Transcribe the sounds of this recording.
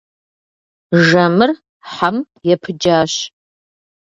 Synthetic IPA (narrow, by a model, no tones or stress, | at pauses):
ʒɐmɨr | ħam | jɛpʰɨd͡ʒaːɕ